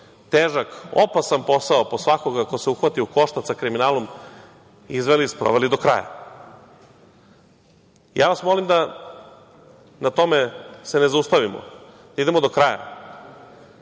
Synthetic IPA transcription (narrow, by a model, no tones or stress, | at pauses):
t̪eːʒako̰pasanpo̞saoposʋako̞ɡakoseuxʋat̪iuko̞ʃt̪at̪sakɾiminaːlom | izʋelispɾo̞̰ʋelid̪o̞kɾa̰ja̰ | jaːʋasmo̞limd̪a | nat̪o̞mesenezaust̪aʋimo̰ | d̪̥aid̪emo̞d̪o̞kɾaja̰